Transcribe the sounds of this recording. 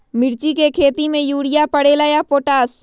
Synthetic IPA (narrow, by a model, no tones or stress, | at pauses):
mɪɾt͡ʃikekʰeːt̪imẽjuːɽijapəɽeːlajapoːʈaːs